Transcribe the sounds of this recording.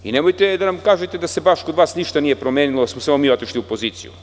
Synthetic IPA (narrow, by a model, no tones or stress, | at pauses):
inemojt̪ed̪anamkaːʒet̪e̞d̪ase̞baʃkod̪ʋaːsniʃt̪anije̞pɾo̞meːnilosmosamo̞miːo̞t̪iʃliupo̞ziːt̪sḭjṵ